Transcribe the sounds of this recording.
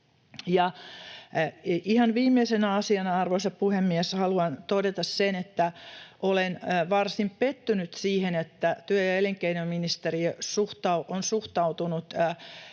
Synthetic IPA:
jɑ | ihɑnʋiːmːeisenɑsiɑnɑrʋoisɑppuhemːieshɑluɑnt̪odet̪ɑssenet̪ːæʔolenʋɑrsimppet̪ːynyt̪siːhenet̪ːæt̪yæjɑeliŋkeinomminist̪erisuht̪ɑuʔonsuht̪ɑut̪unut̪

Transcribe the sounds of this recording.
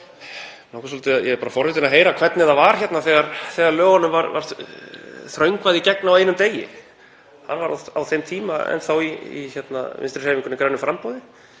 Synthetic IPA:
nawksɔlt̪ɪaðjɛɛpaːɾafɔɾvɪt̪̬ɪnaɦeːjɾakʰvɛt̪nɪðavaɾ̥çɛt̪naθɛːɣaɾθɛːɣaɾlœːɣanːʏmvaɾva̰ɾ̥ | θɾœɥŋkvaðicɛk̚naaweːjnʏmt̪eːjɪ̰ | hanvaɾa̰a̰wθejmt̪ʰiːmaɛ̰nθawiḭçɛt̪na̰vɪ̰nst̪ɾsheːviŋkʏnːɪkɾaːɥnʏfɾampɔwðɪ

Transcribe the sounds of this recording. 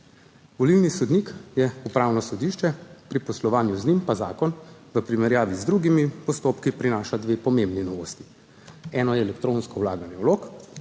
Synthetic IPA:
ʋɔliwnisɔd̪nikjɛupɾaːwnɔsɔd̪iːʃt͡ʃɛpɾipɔslɔʋaːnjuznimpazaːkɔnʋəpɾimɛɾjaːʋizd̪ɾuɡimipɔst̪oːpkipɾinaːʃad̪ʋeːpɔmembninɔʋoːst̪i̥ | ɛːnɔjɛːlɛkt̪ɾõːnskɔwlaːɡanjɛwloːk

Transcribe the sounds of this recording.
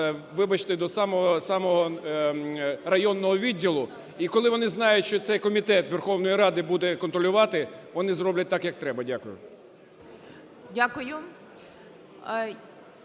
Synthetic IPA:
ʋɪbɐt͡ʃt̪ɪd̪ɔsɑmɔɦɔsɑmɔɦɔ | rɐjɔnːɔɦɔʋʲidʲːilˠʊ | ikɔlˠɪʋɔnɪznɑjʊtʲʃt͡ʃɔt̪sɛjkɔmʲit̪ɛt̪ʋerxɔwnɔjiɾɑd̪ɪbud̪ɛkɔnt̪ɾɔlʲʊʋɑt̪ɪʋɔnɪzɾɔblʲɐt̚ʲt̪ɑkjɐk̚t̪ɾɛbɐdʲakʊjʊ̰ | dʲakʊjʊ

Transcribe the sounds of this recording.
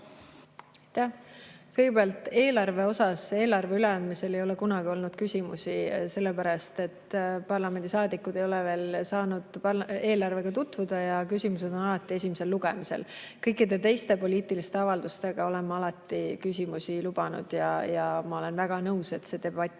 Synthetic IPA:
jt̪æhkɤjɡebeɑlt̪ːˑe̞ːlɑrve̞o̞sɑse̞ːlɑrve̞yle̞ɑnd̪̥mise̞le̞jo̞le̞kunɑɡio̞lnud̪̥kysʲimusise̞lːe̞pæɾɑst̪e̞t̪ːpɑrlɑme̞nd̪̥isɑːd̪ikːˑud̪̥e̞jo̞le̞ve̞ːlsɑːnud̪̥pɑe̞ːlɑrve̞ɡ̥ɑt̪ut̪ːvud̪̥ɑjɑkysʲimuse̞d̪̥o̞nɑlɑt̪ˑːie̞sʲimese̞lːuɡ̥e̞̰mise̞̰lkɤjkːˑid̪e̞t̪e̞jst̪e̞po̞lʲiːt̪ˑilist̪e̞ɑvɑld̪ust̪e̞ɡ̥ɑo̞le̞nmɑɑlɑt̪ːˑikysʲimusilub̥ɑnṵd̪̥jɑjɑmɑo̞le̞nvæɡ̥ɑnɤuse̞t̪se̞d̪e̞bɑt̪ʲːˑ

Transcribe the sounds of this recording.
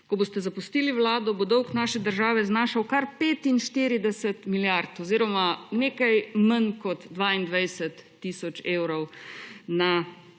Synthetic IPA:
kɔbost̪ɛzapust̪iːliwlaːd̪ɔbod̪ɔwknaːʃɛd̪əɾʒaːʋɛznaːʃawkaɾpeːt̪inʃt̪iɾid̪ɛsɛt̪miljaɾt̪ɔziːɾɔmaneːkajmənkɔt̪d̪ʋaːind̪ʋajsɛt̪ːisɔt͡ʃeːwɾɔwna

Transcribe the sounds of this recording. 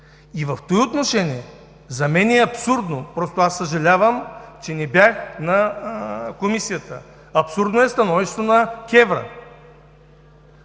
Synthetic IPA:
ivɐft̪oiot̪noʃɛniɛ | zɐmɛnʲiɛɐpsuɾd̪nopɾɔst̪oasːɐʒɐlʲavəmt͡ʃɛnɛbjaxnɐ | komisijət̪ə̰ | ɐpsuɾd̪noɛst̪ɐnɔviʃt̪vonɐkʲɛvɾə̰

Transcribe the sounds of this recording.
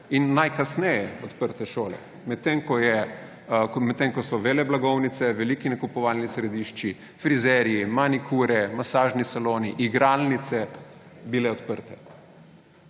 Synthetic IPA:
inːajkasnɛjɛɔt̪pəɾt̪ɛʃoːlɛ̰ | mɛt̪ːeŋkɔjɛ | mɛt̪ːeŋkɔsɔʋelɛblaɡɔwnit̪sɛʋɛlikinɛkupɔʋalnisɾɛd̪iːʃt͡ʃi | fɾizɛɾijimanikʰuɾɛmasaːʒnisaloːniʔiɡɾalnit̪sɛ | bilɛɔt̪pəɾt̪ɛ

